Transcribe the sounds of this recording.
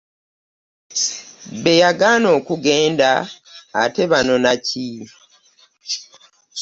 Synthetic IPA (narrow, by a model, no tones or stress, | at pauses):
βe̞jaɡano̞ːkuɡeːnda̰ː | te̞βano̞naci